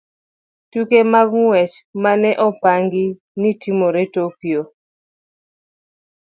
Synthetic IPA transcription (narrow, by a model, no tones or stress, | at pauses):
tukemaɡŋwɛt͡ʃmanɛʔɔpaŋɡi | nitʰimoɾetokio